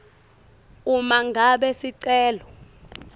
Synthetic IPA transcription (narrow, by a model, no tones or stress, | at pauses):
umaŋɡʱaɓɛsiǀɛːlɔ